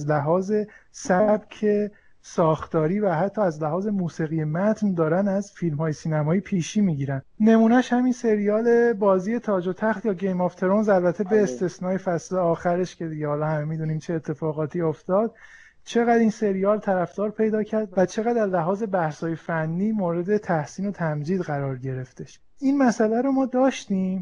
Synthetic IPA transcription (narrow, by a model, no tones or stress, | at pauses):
zlæɦɒːze̞sæbcʰe̞ | sɒːxt̪ɒːɾiːvæɦæt̪ʰːɒːæzlæɦɒːze̞muːsiɣije̞mæt̪ʰnd̪ɒːɾænæzfilmhɒːjesiːnæmɒːipʰiːʃiːmiːɟiːɾænd̪ne̞muːnæʃhæminse̞ɾijɒːle̞bɒːziːje̞t̪ʰɒːd͡ʒot̪ʰæxt̪jɒːɟe̞jmɔft̪ʰe̞ɾonzælbæt̪ʰe̞be̞ːst̪e̞snɒːjefæsleɒːxæɾe̞ʃcʰe̞d̪iɟehɒːlɒhæmemid̪uniːmt͡ʃʰe̞ːt̪ʰːe̞fɒːɣɒːt̪ʰioft̪ɒːd̪̥̚ | t͡ʃʰe̞ɣæd̪inse̞ɾijɒːlt̪ʰæɾæfd̪̥ɒːɾpʰe̞jd̪ɒːcʰæɾd̪væt͡ʃʰe̞ɣæd̪æzlæɦɒːze̞bæhshɒːje̞fænːiːmoːɾe̞d̪e̞t̪ʰæhsiːno̞t̪ʰæmd͡ʒiːd̪ɣæɾɒːɾɟe̞ɾe̞ft̪e̞ʃ | inmæsælæɾomɒːd̪ɒːʃt̪iːm